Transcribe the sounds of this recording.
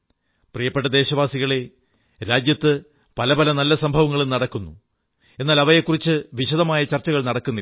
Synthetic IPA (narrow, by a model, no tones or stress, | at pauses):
prijɐpːeʈːɐd̪e̞ːɕɐʋaːsiɣɐɭe | ɾaːd͡ʑjɐt̪ːɨ | pɐlɐbɐlɐnɐlːɐsɐmbʱɐʋɐŋːɐɭumnɐɽɐkːunːu | e̞nːaːlɐʋɐjekːurit͡ɕːɨʋiɕɐðɐmaːjɐt͡ɕɐrt͡ɕːɐɣɐɭnɐɽɐkːunːi